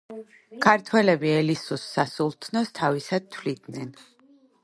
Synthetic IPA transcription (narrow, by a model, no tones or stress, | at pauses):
kʰaɾt̪ʰwɛlɛbiɛlisusːasulˠt̪ʰnɔst̪ʰavisad̪̚t̪ʰvlid̪nɛn